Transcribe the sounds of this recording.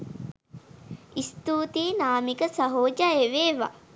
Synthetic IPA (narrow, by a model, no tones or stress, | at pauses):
ist̪uːt̪iːnaːmikəsaɦoːd͡ʒaeʋeːʋa̰